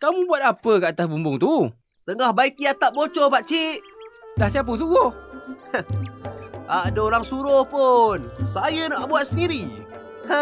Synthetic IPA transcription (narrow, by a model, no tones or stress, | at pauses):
kamũbuat̪̚apəkəʔːt̪asbumbʊŋt̪u | t̪əŋahbaikiat̪aʔ̚bot͡ʃopaʔt͡ʃiʔdahsiap̬əs̬uɡohə | adəoɾaŋsuɾʊhpʊnsajənaʔbuat̪̚səndiɾi